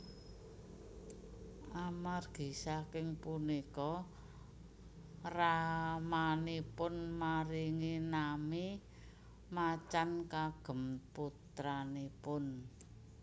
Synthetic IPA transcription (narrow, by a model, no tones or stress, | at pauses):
ʔamarɡ̥i̤sakɪŋpunikɔ | ramanipʊnmaɾiŋinami | mat͡ʃankaɡ̥ə̤mput̪ɾanipʊn